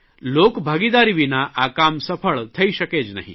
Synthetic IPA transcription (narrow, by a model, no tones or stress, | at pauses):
loːkbʱaːɡid̪aːɾiʋinaʔaːkaːmsɐpʰəɭt̪ʰɐiʃɐkeːd͡ʒnɐ̰ɦḭ̃